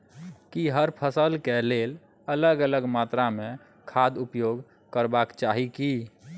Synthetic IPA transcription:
kiɦəɾpʰəsəlkelel | ələɡələɡmat̪ɾame | kʰad̪upjoɡ | kəɾbakt͡ʃaɦiki

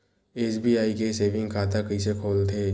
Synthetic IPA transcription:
eːsbiːaːikeseːʋɪ̃ŋɡkʰaːt̪akɐisekʰoːlt̪ʰeː

